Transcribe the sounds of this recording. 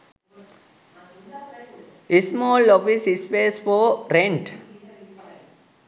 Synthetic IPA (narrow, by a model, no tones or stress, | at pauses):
ɪsmoːlːɔʋisispeːsfoːɾẽɳʈ